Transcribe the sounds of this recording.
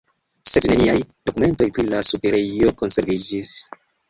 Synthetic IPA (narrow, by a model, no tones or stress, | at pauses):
sedne̞niajd̥o̞kume̞nto̞jpɾilasupeɾeoko̞nse̞ɾvid͡ʒis